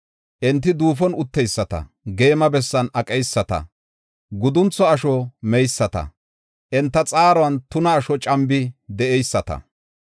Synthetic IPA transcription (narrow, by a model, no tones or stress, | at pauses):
ʔɛnt̪ːɪd̪uːfɔnʊt̪ːɛjsːɐt̪ɐ̰ | ɡe̞ːmɐbɛsːɐnɐkʼɛjsːɐt̪ɐ̰ | ɡʊd̪ʊnt͡sːɔɐʃɔmɛjsːɐt̪ɐ̰ | ʔɛnt̪ːɐt͡sʼaːɾɔwɐnt̪ʊnɐːʃɔt͡ʃʼɐmbɪd̪ɛɛjsːɐt̪ɐ̰